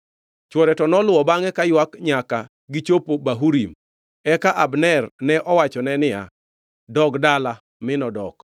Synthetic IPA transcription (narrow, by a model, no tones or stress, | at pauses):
t͡ʃwɔɾɛtɔnɔlwɔbaŋɛkajwakɲaka | ɡɪt͡ʃopobaɦuɾim | ɛkaʔabnɛrnɛʔɔwat͡ʃɔnɛnɪja̰ | dɔɡdala | mɪnɔdɔk